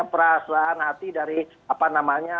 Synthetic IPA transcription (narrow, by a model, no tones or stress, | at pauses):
apəɾasaanhat̪idaɾi | apanamaɲa